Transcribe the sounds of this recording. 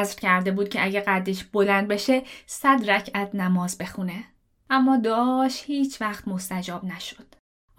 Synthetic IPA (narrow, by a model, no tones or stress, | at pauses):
zɾcʰæɾd̪e̞buːd̪̚cʰeʔæɟeɡæd̪eʃb̥o̞lænd̪̚be̞ʃe̞sæd̪ɾæcʰæt̪næmɒːzbe̞xune̞ | ʔæmːɒːd̪ɒːʃthiːt͡ʃʰvæxt̪mo̞st̪æd͡ʒɒːbnæʃo̥d̪̥